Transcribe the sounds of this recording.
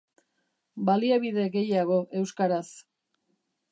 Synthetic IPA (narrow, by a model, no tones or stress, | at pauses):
baliaβið̞e̞ɣe̞jaɣ̞o̞ʔe̞wskaɾas